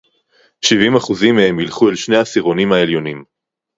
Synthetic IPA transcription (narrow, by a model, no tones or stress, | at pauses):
ʃivimaχuzimehemjilχuelʃneasiʁo̞nimaeljo̞nim